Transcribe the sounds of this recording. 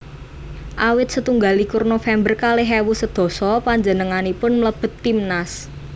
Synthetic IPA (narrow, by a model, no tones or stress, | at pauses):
ʔawɪt̪̚sət̪uŋɡalikʊrnofɛmbərkalɪɦɛwusəd̪̥ɔ̤sɔpaɲd͡ʒənəŋanipʊnmələb̥ə̤t̪ːimnas